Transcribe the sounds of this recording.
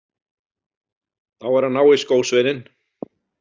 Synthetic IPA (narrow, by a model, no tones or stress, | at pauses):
θawvɛɾ̥hanːaːwɪskoːwsvɪːðɪn